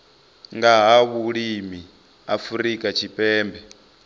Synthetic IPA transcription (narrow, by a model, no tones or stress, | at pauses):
ŋɡaɦaβuɺimi | afuɾikʼat͡ʃʰipʼɛːmbɛ